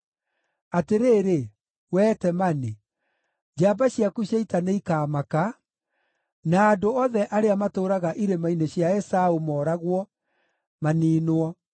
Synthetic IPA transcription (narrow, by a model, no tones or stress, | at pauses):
ateɾeːɾe | wɛːtɛmane | d͡ʑaːbaɕjakuɕaitaneikaːmaka | naːdoɔðɛʔaɾeamatoːɾaɣaʔiɾemaineɕjaɛsaomɔːɾaɣwɔ | maniːnoɔ